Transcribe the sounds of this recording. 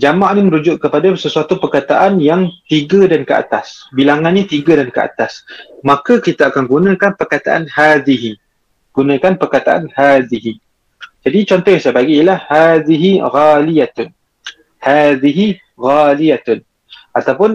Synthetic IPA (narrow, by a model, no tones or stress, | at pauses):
d͡ʒamaʔniməɾud͡ʒʊʔkəpadasəsuat̪upərkat̪aʔanjaŋt̪iɡadankəa̰t̪asbilaŋanɲat̪iɡadankəa̰t̪asmakakit̪aakanɡunãkanpərkat̪aʔa̰nhad̪iɦi | ɡ̥unãkanpərkat̪aʔa̰nhaðiɦi | d͡ʒadit͡ʃɔnt̪ɔhjãŋsabaɡijlahhaðiɦiɣalijat̪ʊn | haðiɦi | ɣalijat̪ʊn | ʔat̪awpʊn